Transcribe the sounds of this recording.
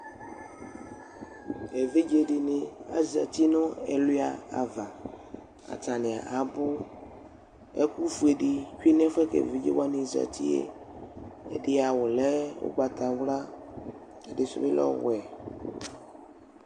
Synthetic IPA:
e˨ve˦d͡ʒe˦dɪ˨nɪ˨a̰˨za̰˨t̪i˦nʊ̃˦ɛ˨lʊ˦a˨a̰˨va˨ | a̰˨ta˨nɪ̃˨a˨ʔa˨bʊ˦ | e˦ku˦fu˨e˨ɖɪ˨ku˦i˦nɛ̃˦fɛ˦kḛ˨ve˦d͡ʒḛ˦wa˦nɪ̃˨za̰˨t̪ʰi˦ḛ˦ | e˨ɖɪ˦a˨wʊ˨lɛ˦wo̰˦ɡ͡ba˨t̪a˨wla˦ | e˨dɪ˨sʊ̰˦be˦lɔ̰˦wɛ˨

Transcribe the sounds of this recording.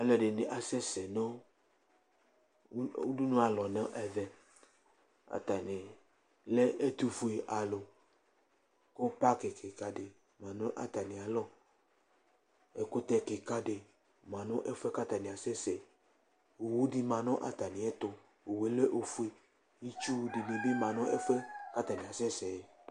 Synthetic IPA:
a˨lɛ˨ɖe˨ne˨ʔa˨sɛ˦sɛ˨nɔ̃˦ | u˦du˦nũ˦a˨lɔ˨nã˦ʔɛ˨vɛ˨ | a̰˨t̪a˨ne˨ | le˦ʔe˦t̪u˦fu˦e˨ʔa˨lo˨ | ko˦pa˦ke˨ke˨ka˦ɖe˨ | mã˨nɔ̃˦ʔa̰˨t̪a˨nĩ˨a˨lɔ˦ | e˨ko˦t̪ɛ˨ke˨ka˦ɖe˨ | mã˨nɔ̃˦ʔe˦fu˦ɛ˦ka˦t̪a˨nĩ˨a˨sɛ˦sɛ˨ | o˨wo˦di˦mã˨nɔ̃˦ʔa̰˨t̪a˨nĩ˨ɛ˦t̪o˨ | o˨we˨le˦ʔo˨fu˦e˨ | i˦t͡ʃu˦de˨le˨be˦mã˨nɔ̃˦ʔe˦fu˦ɛ˦ka˦t̪a˨nĩ˨a˨sɛ˦sɛ˨

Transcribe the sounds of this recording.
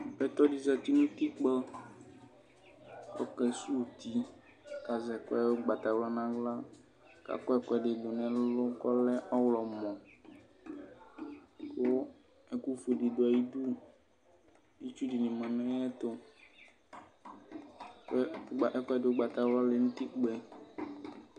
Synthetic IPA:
ɛ˨t̪ɔ˦di˨za˨t̪i˦nũ˦t̪i˦k͡pɛ˦ | wɔ̰˦kɛ˨su˦˨t̪i˦ | ka˨zɛ˨kɔ˦ɛ˦wo˦ɡ͡ba˨t̪a˨wlɔ˦nã˦ɡla˦ | ka̰˨kɔ˦ɛ˦kɔ˦ɛ˨ɖe˨ɖo˨nɛ̃˨lʊ˦kɔ˦lɛ˦ʔɔ˦wlɔ˨mɔ̃˨ | ko˦ | ɛ˦ku˦fo˨di˨do˨a˨ji˦du˦ | i˦t͡ʃu˦di˨nĩ˨mã˨nɔ̃˦jɛ˦t̪ʊ˦˨˦ | kɛ˦dɪ˨˦o˦ɡ͡ba˨t̪a˨wlɔ˦le˨ŋũ˦t̪i˦k͡pɛ˨

